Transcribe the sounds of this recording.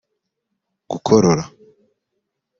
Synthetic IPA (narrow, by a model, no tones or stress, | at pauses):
ɡ̥ukʰoɾoɾa